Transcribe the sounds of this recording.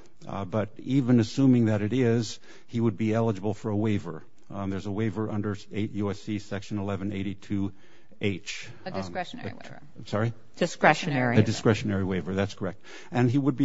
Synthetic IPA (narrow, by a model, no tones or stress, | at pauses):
bʌɾivɨ̃nɨsũmɪ̃ŋðɨɾɨɾɪz̥ | iwəd̚biɛlˠəd͡ʒəbl̩ˠfə˞əweɪvə˞ | ðə˞zəweɪvə˞ʔʌ̃ndə˞eɪʔjʉɛsisɛkʃɨ̃nəlɛvɨ̃neɪɾitʰʉ | ʔeɪt͡ʃ | sɑɹi̥ | ɨskɹɛʃnɛɹɨdɨskɹɛʃɨnɛɹiweɪvə˞ðætskʰə˞ɛk̚t̚ | ɨ̃niwəd̚bi